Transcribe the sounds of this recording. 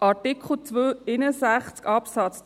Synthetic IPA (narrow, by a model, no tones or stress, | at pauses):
ɑtikχl̩t͡sʋøːɪnəsæχt͡skɑpsɑt͡s